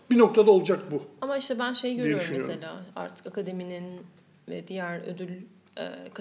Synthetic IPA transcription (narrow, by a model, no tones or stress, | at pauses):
binok̚t̪ʰad̪aolˠud͡ʒak̚buamaiʃt̪ʰɛbænʃe̞jɟøjoɾummese̞lʲaːa̰ɾt̪ʰɯ̥kakad̪e̞minin | vɛ̰d̪ijæɾø̰d̪ylʲ | ɛ̰ːk